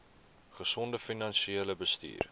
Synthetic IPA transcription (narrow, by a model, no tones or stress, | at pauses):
χəsɔndəfinɐnʃieələbəstḭːr